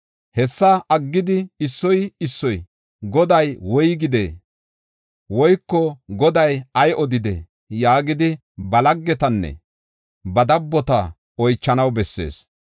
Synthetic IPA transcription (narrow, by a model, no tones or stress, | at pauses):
hɛsːɐʔɐɡːɪd̪ɪɪsːɔjɪsːɔj | ɡɔd̪ɐjwɔjɡɪd̪ḛː | wɔjkːɔɡɔd̪ɐjɐjɔd̪ɪd̪ḛ | jaːɡɪd̪ɪ | bɐlɐɡːɛt̪ɐnːɛ̰ | bɐd̪ɐbːɔt̪ɐ̰ | ɔjt͡ʃːɐnɐwbɛsːe̞̰ːs